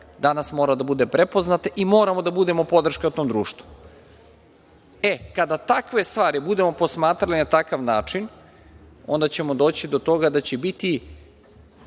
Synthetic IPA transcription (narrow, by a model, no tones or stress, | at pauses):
d̪anasmo̞ːɾad̪abud̪epɾepo̞znat̪eʔimo̞ːɾamo̞d̪abud̪e̞mo̞po̞d̪r̩ʃkaut̪o̞ːmd̪ɾuːʃt̪vu̥ | ekad̪at̪akʋe̞st̪ʋaːɾibud̪e̞mo̞po̞smaːt̪ɾalinat̪akaʋnaːt͡ʂin | o̞̰nd̪at͡ɕemo̞d̪o̞ːt͡ɕid̪o̞t̪o̞ɡad̪at͡ɕebit̪i